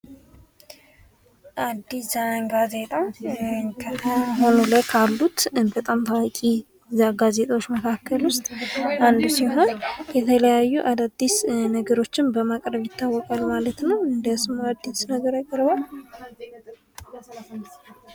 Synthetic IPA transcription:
ʔad̪ːisaŋɡaze̞t̪ʼa | kʰət̪ʰəɦonoləkʰalːut̪bət̪ʼamt̪ʰawakʼi | zaɡaze̞t̪ʼwot͡ʃːməkʰakːəlʊst̪ʼʔand̪usiɦo̞njɛt̪ʰələjajːuʔad̪ad̪ːisnəɡəɾo̞t͡ʃːɪnbəmakʼɾəβjɪt̪ːawːɔkʼalmalət̪nəwɨnd̪əsmoad̪ːisnəɡəɾakʼəɾbal

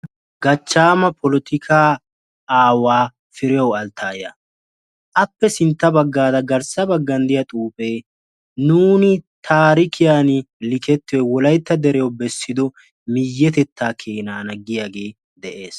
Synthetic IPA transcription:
ɡɐt͡ʃːaːmɐpʰɔlɔt̪ɪkʰaː | waː | fɪɾɪjɐwɐlt̪ʰːaːjɐ̰ | ʔɐpːɛsɪnt̪ːɐbɐɡːaːd̪ɐɡɐɾsɐbɐɡːɐnd̪ɪjɐt̪ʼuːpʼeː | nuːnɪt̪ʰaːɾɪkʰɪjaːnɪlɪkɛt̪ːɪwɛwɔlɐjt̪ːɐd̪ɛɾɛjwbɛsːɪd̪ɔ | mɪjːɛt̪ɛt̪ːaːkʰeːnaːnɐɡɪjaːɡe̞ː | d̪ɛʔe̞ːs

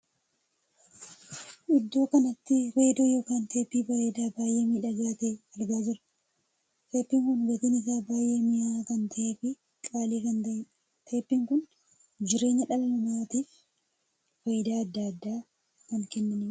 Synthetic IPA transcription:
ʔɪd̪ːo̞ːkɐnɐt̪ːɪɾe̞ːd̪oːjo̞ːkaːnt̪e̞ːpːiːfɐjd̪aːbaːjʔeːmiːᶑɐɡaːt̪eɐɾɡ̪aːd͡ʒɪɾɐ | t̪ʰe̞ːpːiŋkʊnɡɐt̪ɪnɪsaːbaːje̞ːmɪakɐnt̪ʰɐʔeːfɪ | kʼaːliːkɐnt̪ɐɪn | t̪ʰe̞ːpːiŋkʊn | d͡ʒɪɾe̞ːɲːɐᶑɐlɐmɐmaːt̪iːf | fɐjɪd̪aːɐd̪ːɐɐd̪ːaː | kɐŋkɛnːɐnɪ

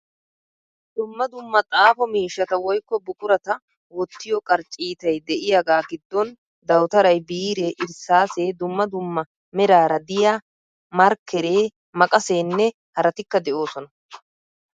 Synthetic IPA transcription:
d̪̥ʊmːɐd̪ʊmːɐt̪ʼaːfɔmiːʃːɐt̪ɐwɔjkːɔbʊkʼʊɾɐt̪ɐ | wɔt̪ːɪjɔkʼɐɾt͡ʃʼiːt̪ɐjd̪ɛʔɪjɐɡaːɡɪd̪ːɔn | d̪ɐwt̪ɐɾɐjbiːɾeːʔɪɾsaːse̞ːd̪ʊmːɐd̪ʊmːɐ | mɛɾaːɾɐd̪ɪja | mɐɾkʰːɛɾe̞ː | mɐkʼɐse̞ːnːɛ | hɐɾɐt̪ɪkːɐd̪ɛʔo̞ːsɔnɐ

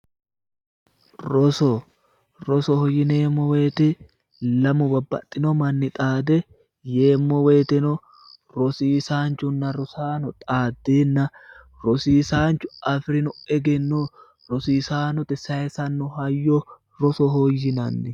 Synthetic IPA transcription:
ɾɔsɔ | ɾɔsɔhɔjːɪneːmːɔwe̞ːt̪ɪ | lɐmɔbɐbːɐ̰t̪ʼːɪnɔmɐnːɪt̪ʼaːd̪ɛ | jeːmːɔweːt̪ɛnɔ | ɾɔsiːsaːnt͡ʃːʊnːɐɾɔsaːnɔt̪ʼaːd̪ːeːnːɐ | ɾɔsiːsaːnt͡ʃːʊɐfɾɪnʊɛɡɛnːo | ɾɔsiːsaːnɔt̪ɛsɐɛsɐnːɔhɐjːɔ | ɾɔsɔɦɔjːɪnɐnːɪ

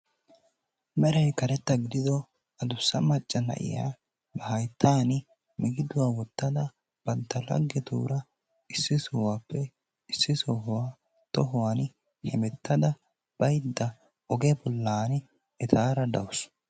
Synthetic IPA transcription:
mɛɾɛjkɐɾɛt̪ːɐɡɪd̪ɪd̪ɔ | ɐd̪ʊsːɐmɐt͡ʃʼːɐnɐ̰ʔɪ̰ja̰ː | bɐhɐjt̪ʰːaːn | mɪɡɪd̪ʊwaːwɔt̪ːɐd̪ɐ | b̥ɐnt̪ːɐlɐ̰ɡːɛt̪ṵːɾɐ | ɪsːɪsɔwaːpːɛ | ɪsːɪsɔɦʊwaː | t̪ɔɦʊwaːn | hɛmɛt̪ʰːɐd̪ɐ | b̥ɐjd̪ːɐ | ɔɡɛbɔlːaːn | ɛt̪ʰaːɾɐd̪ɐwʊs

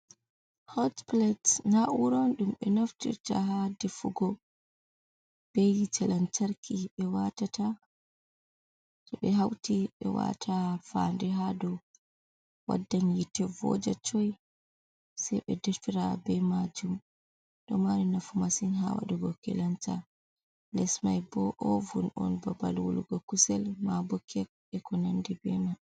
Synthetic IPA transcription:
hɔtplɛtnauɾɔnɗumɓɛnaftḭɾta̰ɦadɛfuɡɔ | b̥ɛjit͡ʃʰɛlant͡ʃaɾkʰiɓɛwatata | tɔɓɛɦawtiɓɛ̰wa̰tʰafandɛɦadɔ | wa̰dːanjitɛvɔ̰d͡ʒat͡ʃɔj | sajɓɛdɛfiɾabɛmad͡ʒum | d̥ɔmaɾinafumasinɦawa̰ɗɔɡɔkɛ̰lanta | lɛsmajbɔʔɔvunɔ̰nbaba̰lwuluɡɔkusɛlmabɔkʰɛk̚ɛkɔnandɛbɛna

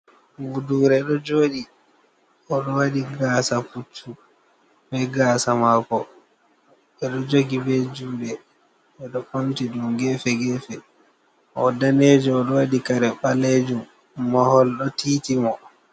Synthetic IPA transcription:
vuduːɾɛɗɔd͡ʒoːɗi | ʔɔɗɔwaɗiɡaːsafut͡ʃːu | bɛɡaːsamakɔ | ɓɛɗɔd͡ʒoɡibɛd͡ʒuːɗɛ | ɛɗɔkomtiɗumɡɛfɛɡɛfɛ | ɔdaned͡ʒɔɔɗɔwadikaɾɛɓaled͡ʒumː | ahɔlɗɔtiːtimɔ

